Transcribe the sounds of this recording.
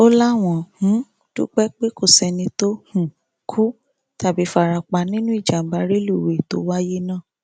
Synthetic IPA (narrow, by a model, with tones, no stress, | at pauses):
o˦la˦w̃ɔ̃˨hũ˨˦ | dṵ˦k͡pɛ˦k͡pe˦ko˦˨sɛ˧nĩ˧to˦hũ˦˨ | kʰu˦ | ta˦˨bi˨˦fa˦˧˨ɾa˧k͡pa˧˨nĩ˦nũ˦i˦˨d͡ʒa˨m̩˨˦ba˧˦ɾi˦lu˦˨we˨to̰˨˦wa˦je˦nãː˦˨